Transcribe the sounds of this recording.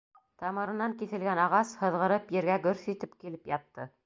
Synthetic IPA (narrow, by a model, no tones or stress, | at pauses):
t̪ɑmɤ̆ɾɤ̆nːɑŋkiθɘ̆lɡænɑʁɑshɤ̆ðʁɤ̆ɾɤpjɘ̆ɾɡæɡɵɾθit̪ɘpkilɘpjɑt̪ːɤ